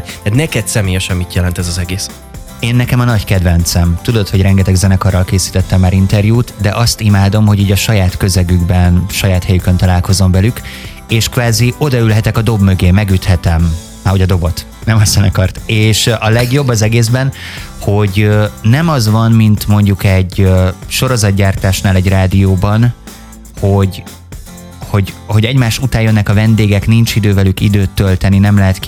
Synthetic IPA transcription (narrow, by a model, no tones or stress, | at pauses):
at̪nɛkɛt̪sɛmeːjɛʃɛnmit̪jɛlɛnt̪ɛzɒzɛɡeːs | eːnːɛkɛmɒnɒɟkɛd̪vɛnt̪sɛmt̪ud̪o̞t̪ho̞ɟrɾɛŋɡɛt̪ɛɡzɛnɛkɒrːɒlkeːsi̥ːt̪ɛt̪ːɛmːaːɾint̪ɛrjuːt̪d̪ɛʔɒst̪imaːd̪o̞mho̞ɟiːɟɒʃɒjaːt̪kø̞zɛɡyɡbɛnʃɒjaːt̪hɛjykø̞nt̪ɒlaːlko̞zo̞ɱvɛlyk | eːʃkvaːzio̞d̪ɒylɦɛt̪ɛkɒd̪o̞bmøɡeːmːɛɡyt̪hɛt̪ɛm | aːho̞ɟɒd̪o̞bo̞t̪ | nɛmɒsɛnɒkɒrt̪eːʃɒlɛɡjo̞bːɒzɛɡeːzbɛnho̞ɟnɛmɒzvɒnmint̪mo̞ɲɟukɛɟøʃo̞ɾo̞zɒd̪̚ɟaːrt̪aːʃnaːlɛɟraːd̪ijoːbɒn | ho̞ɟ | ho̞ɟho̞ɟɛɟmaːʃut̪aːjjønːɛkɒvɛnd̪eːɡɛknint͡ʃid̪øːvɛlykḭd̪øːt̪ːølt̪ɛninɛmlɛɦɛt̪k